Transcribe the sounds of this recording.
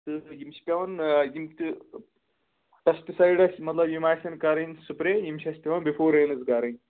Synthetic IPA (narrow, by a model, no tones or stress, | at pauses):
t̪ɨjimʃi̥pʲɐʋɐnjimt̪ʲɨ | ʈɐsʈisɐjɖɐsʲmɐt̪lɐbjimaːsʲɐnkaːɾɐnsupɾeːjimʃʰʲɐsʲpʲɐʋɐnbifʰoːɾeːnɨzɡaːɾɐnʲ